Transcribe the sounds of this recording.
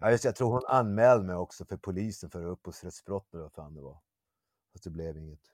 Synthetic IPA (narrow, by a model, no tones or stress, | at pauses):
jʔɑːjɵst̪ɛjat̪ʰɾuːɾhʊna̰nːmɛːld̪əmɛjɔksɔfœɾpʰʊliːsənfœɾəɵpːɔsɾɛt̪sb̥ɾɔt̪ːɛləvafa̰ːnd̪ɛvɑ̰ | fasd̪ɛblevɪŋːət̪